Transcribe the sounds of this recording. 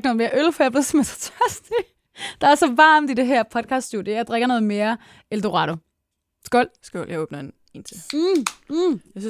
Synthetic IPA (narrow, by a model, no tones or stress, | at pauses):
ɡ̥nɔːðˠme̝ɐʔølfɒjɑb̥le̝ðˠsmesʰɒ̥t͡sʰœɐsd̥i | d̥ɑ̈æɐsɒ̽ʋɑ̈ːmd̥ide̝ɦɛɐ̰pʰɒ̽d̥̚kʰɑ̈ːsd̥sud̥jejäd̥ʁeɡ̥ɐnɔ̽ːð̩ˠme̝ːɐ | eld̥o̝ʁɑɾo | sɡ̥ɔl̰sɡ̥ɔ̰l̰jäɪoːb̥nɐen | ent͡sʰe | jas